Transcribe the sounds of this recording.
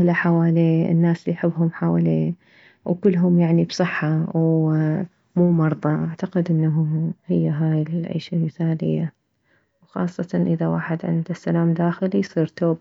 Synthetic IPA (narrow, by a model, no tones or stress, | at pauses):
laħawaːleːɪ̰nːaːslijħɪbːɦʊmħaːwaleː | wkʊlːɦʊmjaʕnibsˤɨħːaw | muːmɑɾˤðˤɑʔaʕt̪aqɪd̪ʔɪnːaɦuhɪjːaɦaːjɪlʕḭːʃalmɪθaːlɪ̰jːa | wxɑ̰ːsˤːɑt̪ɑnʔɪðawaːħɪd̪ʕɪ̰nd̪asːalaːmd̪aːxɪlijsˤiːɾt̪oːb